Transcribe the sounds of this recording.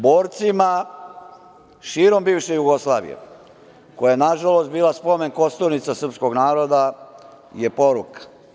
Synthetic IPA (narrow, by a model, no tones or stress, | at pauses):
boːɾt̪sima | ʃiːɾo̞mbiːʋʃejuɡo̞slˠaːʋḭjḛ | ko̞jajenaʒalost̪biːlaspo̞me̞nko̞st̪oɾnit̪sasər̩psko̞ɡnaːɾod̪a | jepo̞ɾukḁ